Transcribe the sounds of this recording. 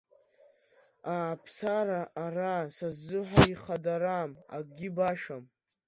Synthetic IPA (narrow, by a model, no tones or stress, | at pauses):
aːpʰsaɾaʔːrasazːɨħaiχadaɾama̰ɡ̚ɡʲibaʃam